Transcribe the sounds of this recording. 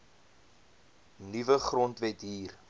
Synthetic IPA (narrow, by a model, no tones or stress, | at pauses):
nivəχrɔntvɛtɦiːr